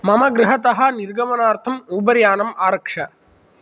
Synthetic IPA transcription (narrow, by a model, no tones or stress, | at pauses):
mɐmɐɡɾɐɦɐt̪ɐɦɐ̆niɾɡɐmɐnaːɾt̪ʰɐmuːbɐɾjaːnɐmaːɾɐkʂɐ